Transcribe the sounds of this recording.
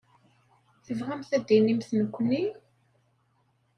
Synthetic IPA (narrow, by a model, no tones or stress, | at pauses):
θəvʁæmθæd̪ːinimθnəkʷːni